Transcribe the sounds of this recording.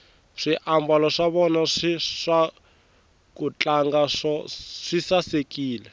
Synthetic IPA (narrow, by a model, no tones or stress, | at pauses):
ʂiʔambalɔʂaβɔnaʂiʂa | kut͡ɬaŋɡaʂɔʂisasekʼiːlɛ